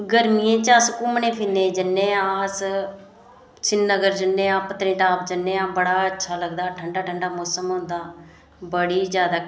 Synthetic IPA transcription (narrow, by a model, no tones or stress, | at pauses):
ɡəɾmijẽːt͡ʃaːskʊmnẽːpʰiːnːẽːd͡ʒənːẽːãːs | t͡ʃʰɪnːəɡəɾd͡ʒənːẽːãːpət̪ɾẽːʈaːpd͡ʒənːẽːãːbəɽaːətːʃʰaːləɡd̪aːʈʰəɳɖaːʈʰəɳɖaːmoːsəmɦʊ̃nd̪aː | bəɽiːzjaːd̪aː